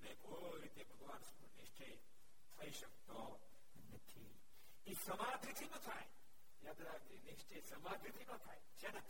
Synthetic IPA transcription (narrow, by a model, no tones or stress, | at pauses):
nekoː | ɾit̪ebʱɐɡʋaːnsɐkuniʃt͡ʃʰɐj | t̪ʰɐiʃɐkt̪o | nɐt̪ʰḭ | isɐmaːd̪ʱit̪ʰikɐ̃t̪ʰaːj | jaːd̪ɾaːɡɾiniʃt͡ʃɐjsɐmaːd̪ʱit̪ʰikɐ̃t̪ʰaːjt͡ʃena